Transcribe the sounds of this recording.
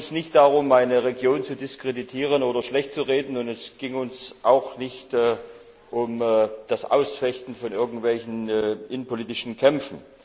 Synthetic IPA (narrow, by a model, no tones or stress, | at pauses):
nsnɪçt̚d̥aʁʊmaɪnəʁeɡjoːnt͡sudɪskʁ̥editʰiːʁ̞ənoːdɐʃlɛçtt͡suʁeːdn̩ʊntɛsɡ̥ɪŋʊnsʔaʊxnɪçtː | ʔʊmːd̥asʔa̰ʊsfɛçtn̩fɔnʔɪɐɡŋ̩tv̥ɛlçn̩ʔɪnəpoliːtɪʃn̩kʰɛmfn̩